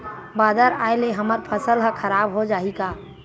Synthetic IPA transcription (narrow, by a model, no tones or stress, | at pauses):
baːd̪əɾa̰ːeleɦəməɾpʰəsəlɦə̃kʰəɾaːbɦod͡ʒaːikaː